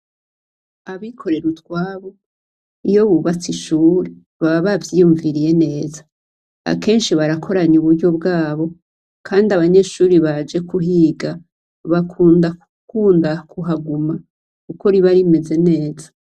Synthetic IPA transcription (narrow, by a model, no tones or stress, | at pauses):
aβikʰo̞ɾe̞ɾutwaːβo̞ | ijo̞βuβat͡siʃuːɾe | βaβaβavjijuɱviɾije̞ne̞ːzḁ | a̰ke̞ːnʃiβaɾakʰo̞ɾaɲuβuɾɟo̞bɡaːβo̞ | kʰaːndiaβaɲe̞ːʃuːɾiβad͡ʒe̞kuɦiːɡa | βakʰuːndaukuːndakʰuɦaɡuma | kukoɾiβaɾime̞ze̞ne̞ːzḁ